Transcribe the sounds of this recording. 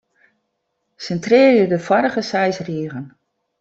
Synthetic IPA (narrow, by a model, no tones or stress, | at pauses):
sɛntrɪːrjədəfɔɾəɣəsɛjsriəɣən